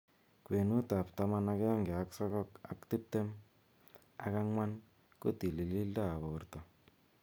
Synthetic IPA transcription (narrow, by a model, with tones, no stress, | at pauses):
kwe˨nu˦ta˨pta˦ma˦na˦kjɔ˦ŋɡe˨a˦ksɔ˦kɔ˦ka̰˦kti˦p̚te˦m | a˦ka˦ŋwa˦n | ko˦ti˨li˨li˦lda˦a˨βo˨rtɔ˨